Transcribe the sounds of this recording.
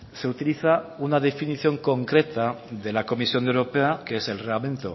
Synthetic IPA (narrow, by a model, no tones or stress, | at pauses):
se̞ut̪iliθaunaðe̞finiθjo̞ŋko̞ŋkɾe̞t̪a | ðe̞lako̞misjo̞newɾo̞peakeese̞lreɣlamẽ̞nt̪o̰